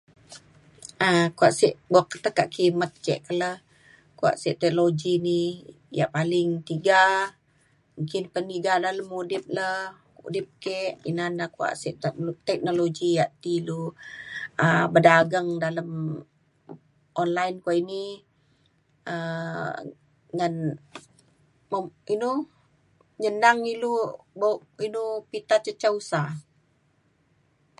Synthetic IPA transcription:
əkuaʔsiʔbuakːə̥t̪əkːaʔkimət̪̚t͡ʃɛ̰ʔkələh | kua̰ʔsiʔt̪ɛkloɡini | ja̰ʔpalɪŋt̪iɡa | muŋkɪnpəniɡadaləmudɪp̚lə | ṵdɪp̚kɛʔinanahkua̰ʔsiʔt̪t̪ɛk̚noloɡiaʔt̪ilu | əbədaɡəŋdaləm | ʔɔnlajnkuaʔini | ə | ŋan | məinu | ɲənaŋilubaʔinupit̪at͡ʃət͡ʃausa

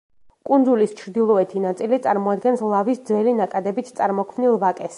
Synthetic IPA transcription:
kʼund̪zulist͡ʃʰɾd̪ilˠɔɛt̪ʰinat̪sʼilit̪sʼaɾmɔad̪ɡɛnslˠavisd̪zvɛlinakʼad̪ɛbit̪ʰt̪sʼaɾmɔkʰmnilˠvakʼɛs

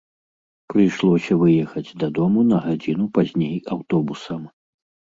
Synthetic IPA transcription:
pɾɨjʂlˠɔsʲɐvɨjɛxɐd͡zʲd̪ɐd̪ɔmunɐɣad͡zʲin̪upazʲnʲejawt̪ɔbusɐm

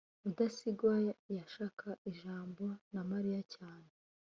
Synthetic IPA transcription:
udasiɡwajaʃaːkʰaʔiʒaːmbonamaɾijacaːne

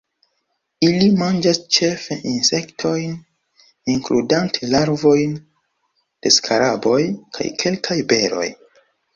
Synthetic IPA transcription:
ilimand͡ʒast͡ʃe̞feʔinse̞ktʰo̞jn | iŋkludantʰelaɾvo̞jn | d̥e̞̰skʰaɾabo̞jkʰa̰jkʰe̞lkʰajbe̞ɾo̞̰j

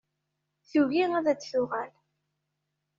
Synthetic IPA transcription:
θuʝiŋæðæt͡sːθʊʁæl

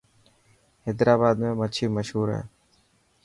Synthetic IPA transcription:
hed̪ɾaːbaːd̪mẽːmət͡ʃʰiːməʃɦuːɾɦḛː

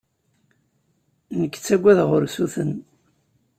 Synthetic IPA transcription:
nəkːt͡sːæɡʷːæðʁʊɾsuθən

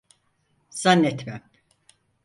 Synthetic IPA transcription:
z̥anːɛt̪mæm

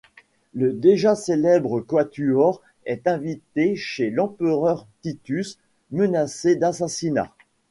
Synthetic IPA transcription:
ləd̪eʒaselɛbʁəkwat̪yɔʁ | ɛt̪ɛ̃vit̪eʃelɑ̃pəʁœʁt̪it̪ys | mənased̪asasina̰

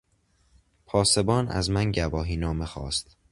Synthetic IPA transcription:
pʰɒːse̞bɒːnʔæ̰zmænɟæbɒːɦiːnɒːmexɒ̰ːst̪

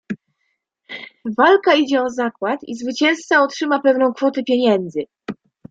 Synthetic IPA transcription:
valkaid͡ʑɛɔzakwat̪ḭzvɘt͡ɕɛ̃w̃st̪saɔtʂɘmapɛvnɔ̃w̃kfɔt̪ɛpʲjeɲɛnd̪zɘ

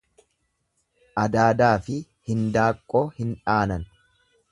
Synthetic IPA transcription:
ʔɐd̪aːd̪aːfɪ | hɪnd̪aːkʼːoːhɪnᶑaːnɐn

